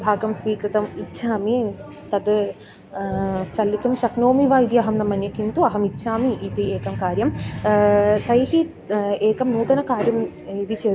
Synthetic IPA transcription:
bʱaːɡɐmsʋiːkɾɨt̪ɐmitːʃʰaːmi | t̪ɐd̪ | t͡ʃɐlːit̪umʃɐknoːmiʋaːid̪iɐɦɐmnɐmːɐnjɐkint̪uɐɦɐmit̪ːʃʰaːmiʔit̪ieːkɐmkaːɾjɐm | t̪ɐjɦi | eːkɐmnuːt̪ɐnɐkaːɾjɐm | iʋ̪it͡ʃeː

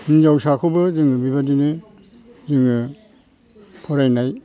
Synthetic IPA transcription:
inzawsakʰɯbɯzɯŋɯbibadinɯ | zɯŋɯ | pʰɔɾajnaj

